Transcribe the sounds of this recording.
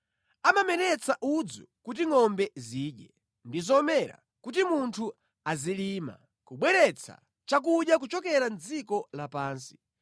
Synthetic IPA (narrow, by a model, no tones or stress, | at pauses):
amamɛnɛt͡saʔud͡zɔkut̬iŋɔmbɛziːɗjɛ | ndizɔmɛɾa̰ | kut̬imuntʰu | azilima̰ | kuɓwɛɾɛt͡sʰa̰ | t͡ʃak̬uɗjak̬ut͡ʃɔkɛɾand͡zikɔlapaːnsi̥